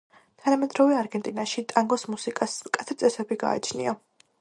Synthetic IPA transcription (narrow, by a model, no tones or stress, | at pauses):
t̪ʰanamɛd̪ɾɔvɛaɾɡɛnt̪ʼinaʃit̪ʼaŋɡɔsmusikʼaskʼat̪ʰɛt̪sʼɛsɛbiɡa̰ːt͡ʃʰnḭa